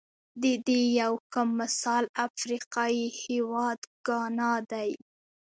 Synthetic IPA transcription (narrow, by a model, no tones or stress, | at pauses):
d̪əd̪ejawkamːɪsɑlafɾiqɑihewɑd̪ɡɑnɑd̪aj